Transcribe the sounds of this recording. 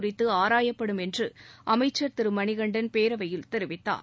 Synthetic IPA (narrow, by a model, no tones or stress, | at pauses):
rɪt̪ːɯaːɾaːjɐpːɐɽɯmɛndrɯʔɐmɐɪt͡ʃːɐɾt̪ɪɾɯmɐɳɪɣɐɳɖɐnpeːɾɐʋɐjɪlt̪ɛɾɯʋɪt̪ːa̰ːɾ